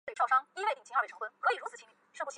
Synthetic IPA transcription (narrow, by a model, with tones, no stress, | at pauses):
ʂo˥˩ʊʂɑ˥ŋi˥wt̪i˨˩t͡ɕʰʈ͡ʂʰɤ˧˥ŋtwə˥nkʰɤ˧˥i˨˩ɻu˧˥t͡s̩ʰ˨˩t͡ɕʰi˥ny˥˩ʂpu˥˩˧